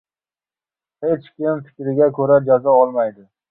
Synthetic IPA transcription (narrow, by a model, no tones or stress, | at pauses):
het͡ʃkʲɪmfɪ̥kʲɾɪɡʲakʲʰɵɾad͡ʒazɒɒlˠmajd̪ɪ